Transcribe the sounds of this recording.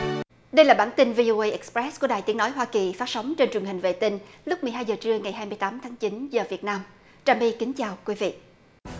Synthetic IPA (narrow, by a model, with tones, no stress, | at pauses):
ɗə˧jlaː˨˩ɓaː˧˩nt̪i˧nvi˧ʔo˧ʔə˧jʔɛ˨˦˥k̚spɹɛ˦˥sku˧˩əɗaː˨˩jt̪i˨˦ənɔ˨˦jɦwaː˧ki˨˩faː˦˥t̚sə˨˦wŋ͡mt͡ɕe˧nt͡ɕwənhi˨˩ŋ̟vḛ˧˨t̪i˧ŋlʊ˦˥k͡p̚mɨ˨˩əjɦaː˧jzəː˨˩t͡ɕɨ˧əŋa˨˩jhɦaː˧jmɨ˧əjt̪aː˨˦mt̪ʰaː˨˦ŋt͡ɕi˨˦nzəː˨˩vi˨˩ət̚naː˧m | t͡ɕaː˨˩mɓi˧ki˨˦ŋ̟t͡ɕaː˨˩wkwi˨˦vḭ˧˨